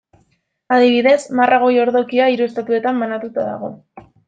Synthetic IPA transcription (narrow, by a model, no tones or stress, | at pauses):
aðiβ̞iðe̞smarʔaɣ̞o̞jo̞ɾðo̞kiaiɾue̞st̪at̪ue̞t̪ambanat̪ut̪aða̰ɣ̞o̞